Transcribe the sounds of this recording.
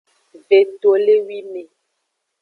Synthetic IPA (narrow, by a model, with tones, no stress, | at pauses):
ve˨to˨le˦wi˦me˨